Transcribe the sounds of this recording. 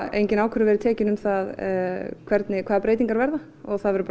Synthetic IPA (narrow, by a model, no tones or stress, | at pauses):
ejɲcɪnaːwkʰʏɾʏvɛɾɪt̪ʰɛːcɪnʏmθaðkʰv̥ɛɾt̪nɪkʰaːðapɾeːjt̪iŋkaɾvɛɾða | ɔɣθaðvɛɾʏp